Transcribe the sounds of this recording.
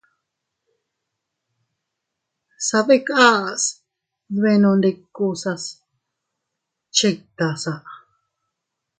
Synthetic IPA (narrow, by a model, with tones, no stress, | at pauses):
sa˧βe˦ka˦ʔs | βe˧nõ˧nd̪e˧ku˧sa˧s | t͡ʃe˧k̚t̪a˨sa˨ʔ